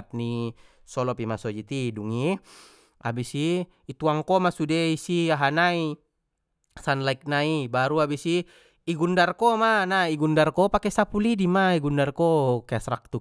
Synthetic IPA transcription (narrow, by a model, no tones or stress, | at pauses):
t̪̚ni | sɔlɔpimasɔd͡ʒit̪iduŋi | a̰bisiː | t̪uaŋkɔmasudeisiaɦanai | sanlaik̚naibaɾuabisiː | ɡundarkɔmanaiɡundarkɔpakesapulidimaiɡundarkɔkasɾa̰k̚t̪u